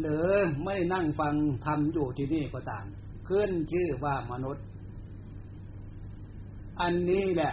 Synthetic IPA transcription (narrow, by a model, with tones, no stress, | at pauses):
lɤː˨˦ma˧˥˩jna˥˩ŋfa˧ŋt̪ʰa˧mjuː˨˩t̪ʰiː˧niː˧˥˩kɔː˧˦t̪aː˨˩m | kʰɯ˧˥˩nt͡ɕʰɯː˧˩waː˧˩ma˧nu˧˦˥t̪̚ | ʔa˧nːiː˧˥˩lɛ˧˩